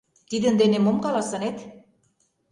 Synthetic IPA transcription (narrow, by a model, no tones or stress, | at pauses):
t̪id̪ə̆nd̪enemomkɑlɑsɤ̆net̪